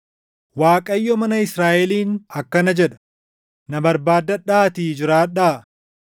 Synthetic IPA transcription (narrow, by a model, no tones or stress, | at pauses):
waːkʼɐjːɔmɐnɐɪsɾaːʔɛliːnɐkːɐnɐd͡ʒɛᶑɐ̥ | nɐbɐɾbaːd̪ːɐᶑaːt̪iːd͡ʒɪɾaːᶑaː